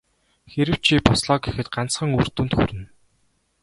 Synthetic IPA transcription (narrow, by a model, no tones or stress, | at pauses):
xeɾɘ̆w̥t͡ɕʰiːpɔsɮɔːɡexɘ̆t̪̚ɢan̥t͡sχə̆ŋur̥t̪uːnt̪xṵɾɘ̆n